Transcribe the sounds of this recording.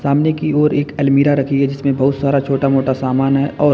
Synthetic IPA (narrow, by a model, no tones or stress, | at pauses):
saːmnekioːɾeːkɐlmiːɾaɾɐkʰiɦɛd͡ʒɪsmẽbɐɦʊt̪saːɾat͡ʃʰoːʈamoːʈasaːmaːnɦɛʔɔːɾ